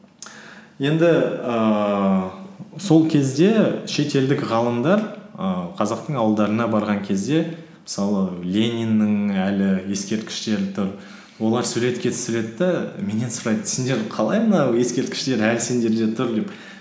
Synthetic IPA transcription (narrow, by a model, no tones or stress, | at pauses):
je̞nd̪ɪə | so̞lˠkʲʰe̞zd̪e̞ʃe̞t̪e̞ld̪ɪkʁɑlˠəmd̪ɑɾəqʰɑzɑq̚t̪əɴɑwəlˠd̪ɑɾənɑbɑɾʁɑŋkʲʰe̞zd̪e̞ | mə̥sɑlˠəlʲe̞nʲijnːɪŋælɪje̞skʲe̞ɾt̪̚kʲɪ̥ʃt̪e̞ɾɪt̪ʰʊɾ | wo̞lˠɑɾsuɾe̞t̪kʲe̞t̪ʰʏ̥sɪle̞d̪ɪd̪ɑme̞ne̞nsʊɾɑjd̪əsend̪e̞ɾqʰɑlˠɑjmənɑje̞skʲe̞ɾt̪̚kʲɪ̥ʃt̪e̞ɾælsend̪e̞ɾd̪e̞t̪ʰʊɾd̪ep